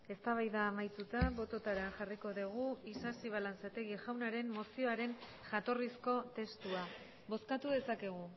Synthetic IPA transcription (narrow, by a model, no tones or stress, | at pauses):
e̞st̪aβajðaːmajt͡s̪ut̪aβo̞t̪o̞t̪aɾeanʝariko̞ðeɣ̞uisasiβ̞alant͡sat̪e̞ɣiʝawnaɾe̞mːo̞sio̞aɾe̞n | ʝat̪o̞risko̞t̪e̞st̪ua | βo̞skat̪uðe̞sake̞ɣ̞u